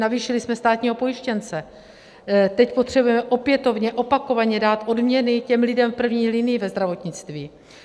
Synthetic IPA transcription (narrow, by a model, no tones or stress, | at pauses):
naviːʃɪlɪsmɛst̪aːt̪ɲiːɦo̞po̞jɪʃcɛnt͡sɛ | t̪ɛcpo̞t̪r̝̥ɛbujɛmɛʔo̞pjɛt̪o̞vɲɛʔo̞pako̞vaɲɛdaːt̪ʔo̞dmɲɛnɪcɛmlɪdɛmfpr̩vɲiːlɪnɪjɪvɛzd̪ɾavo̞t̪ɲɪt͡st̪viː